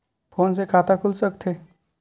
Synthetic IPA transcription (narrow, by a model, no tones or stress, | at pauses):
pʰoːns̬ekʰaːt̪akʰʊlsəkt̪ʰe